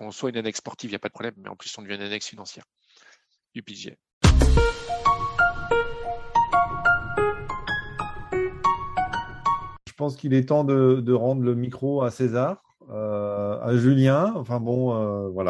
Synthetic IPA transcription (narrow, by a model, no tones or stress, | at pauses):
ɔ̃swaynanɛksːpɔʁt̪ivijapad̪əpʰχɔblɛmːɛ̰ɑ̰̃plysɔ̃d̪əvjɛ̃ynanɛksfinɑ̃sjɛ̰ʁ | ypiʒiɛ̰ | ʒəpɑ̃skilɛt̪ɑ̃d̪əd̪əʁɑ̃d̪ʁləmikχoasezaʁ | øa̰ʒyljɛ̃ɑ̃fɛ̃bɔ̃øvwala